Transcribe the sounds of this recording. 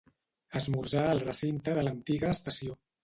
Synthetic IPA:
əzmuɾʒaəlˠrəsint̪əðələnt̪iɣəːst̪əsio

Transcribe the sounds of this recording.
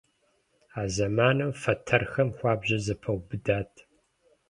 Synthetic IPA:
aːzɐmaːnɨwfɐtʰɐrxɐmxʷɑːbʑɐzɐpʰɐwbɨdaːtʰ

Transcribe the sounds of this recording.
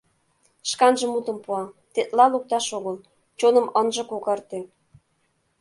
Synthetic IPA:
ʃkɑnʒə̆mut̪ə̆mpuɑt̪et̪lɑluk̚t̪ɑʃoɣəl | t͡ɕonə̆mənʒə̆kokɑrt̪e

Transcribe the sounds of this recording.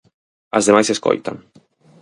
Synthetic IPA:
azðemajsesko̰jt̪a̰n

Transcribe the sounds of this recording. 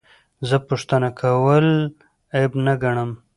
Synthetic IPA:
zəpuʂt̪ənakʰawəl | ejbnaɡaɳəm

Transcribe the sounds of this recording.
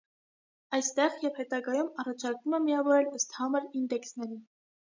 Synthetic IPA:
ɑjst̪ɛʁjɛvhɛt̪ɑɡɑjumɑrɑt͡ʃʰɑɾkvumɛmiɑvɔɾɛləst̪hɑməɾind̪ɛksnɛɾin

